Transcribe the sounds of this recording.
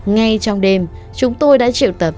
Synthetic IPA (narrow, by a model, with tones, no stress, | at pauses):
ŋa˧jt͡ɕɔ˧wŋ͡mɗe˧m | t͡ɕʊ˨˦ŋ͡mt̪o˧jɗa̰ː˧˥t͡ɕḭ˧˨wt̪ə˨˩p̚